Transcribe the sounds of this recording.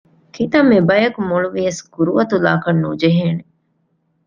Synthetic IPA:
kʰit̪ɐmːibɐjɐkumuɭuʋijɐsɡ̥uɾuʋɐt̪ula̰ːkɐnːud͡ʒeɦeːne

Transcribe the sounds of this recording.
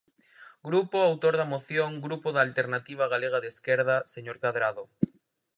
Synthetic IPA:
ɡɾupoawt̪oɾðamoθjoŋɡɾupoðaːlt̪eɾnat̪iβ̞aɣ̞aleɣ̞aðeskeɾðaseɲoɾkaðɾaðo

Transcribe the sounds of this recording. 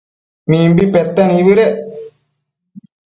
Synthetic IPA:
niːmbipet̪ːɐniʋiɾe

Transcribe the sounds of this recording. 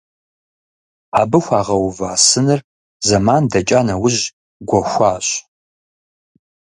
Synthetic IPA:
aːbɨxʷaːʁɐwvaːsɨnɨr | zɐmandɐt͡ʃʼanɐwʊʑ | ɡʷɔxʷaːɕ

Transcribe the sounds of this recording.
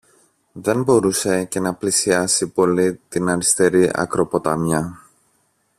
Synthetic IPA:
ðe̞nbo̞ɾuse̞ce̞nɐplisiɐsipo̞lit̪inɐɾist̪e̞ɾiʔɐ̰kɾo̞po̞t̪ɐmjɐ

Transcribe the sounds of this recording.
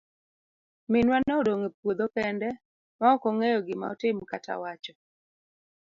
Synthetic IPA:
mɪnwanɛodoŋepwod̪okɛndɛ | maɔkoŋejɔɡɪma̰ɔ̰tɪmkata̰wat͡ʃɔ

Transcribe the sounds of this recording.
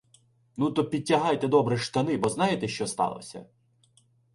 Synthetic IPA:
nut̪ɔpʲid̚ʲtʲːɐɦɑjt̪ɛd̪ɔbɾɛʃt̪ɐnɪbɔznɑjet̪ɛʃt͡ʃɔst̪ɑ̰lˠɔ̰sʲɐ̰

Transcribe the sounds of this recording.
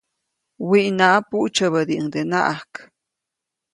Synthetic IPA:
wiʔnaʔapuʔt͡ʃəβəd̪iəŋd̪ena̰ʔahk

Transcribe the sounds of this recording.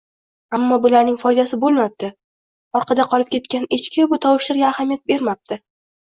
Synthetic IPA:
amːɒbʊlaɾnɪŋfɒjd̪asɪbolˠmap̚t̪ɪ | ɒɾqʰɑd̪aqʰɒlˠɪp̚kʲʰe̞t̪kʲanet͡ʃkʲɪbʊt̪ʰɒwɪʃɪɾɡʲaːhamjat̪̚be̞ɾmap̚t̪ʰɪ

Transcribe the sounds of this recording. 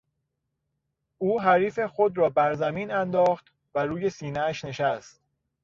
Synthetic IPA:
uːɦæɾiːfe̞xod̪ɾɒːbæɾzæmiːnænd̪ɒːxt̪ | væɾuːje̞siːnææʃne̞ʃæst̪̚

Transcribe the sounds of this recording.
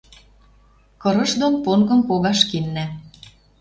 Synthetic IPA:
kɤ̆ɾɤ̆ʃd̪onponkɤ̆mpoɣɑʃkinːæ

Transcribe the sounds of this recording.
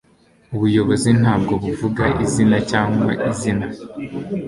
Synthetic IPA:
uβujo̞βo̞zin̥haːb̚ɡo̞βuvuɡaʔizinacaːŋɡwa̰ʔizina

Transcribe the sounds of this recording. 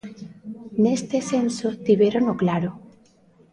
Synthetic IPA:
nest̪esensot̪iβeɾoŋoklaɾo

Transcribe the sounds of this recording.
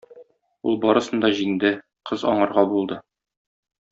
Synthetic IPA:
ulˠbɒɾɤ̆sɤ̆nd̪ɒʑiŋd̪ɘ | qʰɤzɒɴɤ̆ɾʁɑbulˠd̪ɤ

